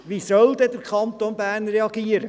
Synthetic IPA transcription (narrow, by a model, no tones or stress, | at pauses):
ʋisœld̪ɛdəɾkʰχɑnt̪onbæːɾnɾɛɑɡ̥iːəɾə